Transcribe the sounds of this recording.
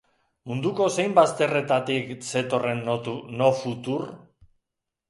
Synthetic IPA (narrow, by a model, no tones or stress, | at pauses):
mund̪uko̞se̞jmbast̪e̞re̞t̪at̪ikse̞t̪o̞re̞nuno̞fut̪ur